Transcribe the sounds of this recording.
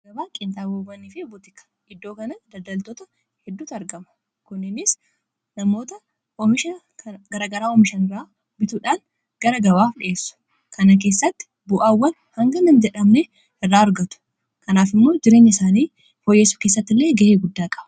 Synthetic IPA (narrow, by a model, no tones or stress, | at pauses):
ɡɐbaːkʼɪnt̪aːboːbɐniːfɪbʊt̪ɪkɐ̥ | ʔɪd̪ːo̞ːkɐnɐd̪ɐd̪ɐlt̪ɔt̪ɐ | hɛd̪ːuːt̪ɐɾɡɐmɐ̥ | kʊnːɪnɪs | nɐmo̞ːt̪ɐ | ɔmɪʃɐ | ɡɐɾaːɡɐɾaːɔmɪʃɐnɪraː | bɪt̪uːᶑaːn | ɡ̥ɐɾɐɡɐβaːfᶑɪ̰ʔeːsːʊ̥ | kɐnɐk̬e̞ːsːɐt̪ːɪ̥ | bʊʔaːwːɐn | hɐŋɡɐnɐnd͡ʒɛᶑɐmne | ɪrːaːɐɾɡɐt̪ʊ̥ | kɐnaːfɪmːo̞ːd͡ʒɪɾe̞ːɲːɪɪsaːniː | fojeːsʊ̥ke̞ːsːɐt̪ːɪlːeːɡɐʔeːɡʊd̪ːaːkʼɐb̥ɐ